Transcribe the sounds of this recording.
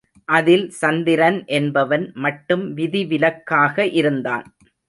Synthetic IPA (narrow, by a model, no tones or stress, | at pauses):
ʔɐðɪlsɐnd̪ɪɾɐnʔɛnbɐʋɐnmɐʈːɯmʋɪðiʋɪlɐkːaːɣɐʔɪɾɯnd̪a̰ːn